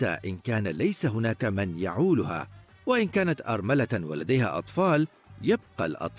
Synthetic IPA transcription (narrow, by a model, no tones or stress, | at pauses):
a̰ʔɪnkaːnalajsaɦʊnaːkamɪnjaʕuːlʊha̰ː | waʔɪnkaːnat̪ʔɑ̰ɾˤmalawa̰lad̪ajha̰ːʔɑt̪ˤfɑːl | jabqɑ̰lʔɑ̰t̪ˤ